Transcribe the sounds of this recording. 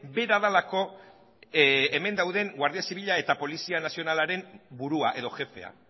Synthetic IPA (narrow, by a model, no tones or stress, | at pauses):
be̞ɾaðalako̞ | eme̞nd̪awðe̞ŋɡwaɾðiasiβiʎae̞t̪apo̞lisianasio̞nalaɾe̞mbuɾuaʔe̞ðo̞ʝe̞fe̞̰a̰